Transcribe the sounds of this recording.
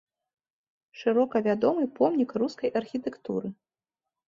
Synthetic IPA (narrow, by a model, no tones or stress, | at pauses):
ʂɨɾɔkɐvʲad̪ɔmɨpɔmnʲikruskɐjʔɐrxʲit̪ɛkt̪ṵɾɨ